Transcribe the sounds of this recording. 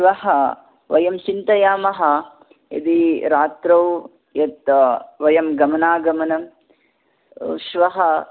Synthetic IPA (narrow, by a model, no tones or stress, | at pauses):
ʋɐɦɐ | ʋɐjɐmt͡ʃint̪ɐjaːmɐɦɐ̆ | ɐ̰d̪iɾaːt̪ɾɐw | jɐt̪ʋɐjɐmɡɐmɐnaːɡɐmɐnɐm | ʃʋɐɦɐ